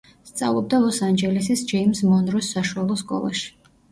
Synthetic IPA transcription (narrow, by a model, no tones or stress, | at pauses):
st̪sʼa̰vlˠɔb̚d̪alˠɔsand͡ʒɛlisisd͡ʒɛimsmɔnɾɔsːaʃualˠɔskʼɔ̰lˠa̰ʃi̥